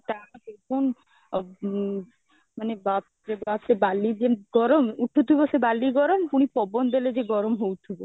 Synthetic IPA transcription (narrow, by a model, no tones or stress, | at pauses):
t̪akekʰon | manebap | ɾebasebalːid͡ʒeɡɔɾɔmuʈʰut̪ʰibosebalːiɡɔɾɔmpuɽ̃ipɔbɔnd̪eled͡ʒeɡɔɾɔmɦowt̪ʰibo